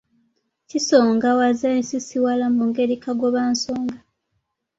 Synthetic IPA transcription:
ciso̞ːŋɡawazensisiwalamuŋɡe̞ɾikaɡwoβaːnso̞ːŋɡa

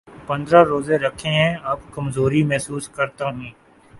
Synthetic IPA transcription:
pɐ̃nd̪ɾaɾoːzeɾɐkʰẽɦɛ̃aːpkɐmzoːɾimɛɦsuːskɐɾt̪aɦɛ̃ː

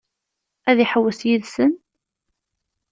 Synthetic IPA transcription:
æðiħəwːəsjiðsən

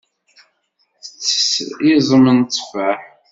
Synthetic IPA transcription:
θət͡sːə̥sizˤəmənt͡sːfæħ

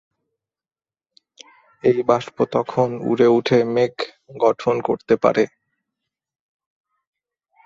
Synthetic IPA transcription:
ejbaʃpot̪ɔkʰonṵɾeuʈʰemek | ɡɔʈʰonkoɾt̪epa̰ɾe

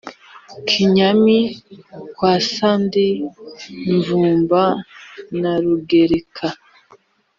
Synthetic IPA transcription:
kʰiɲamikwaːsandi | ɱvuːmbanaɾuɡeɾekʰa

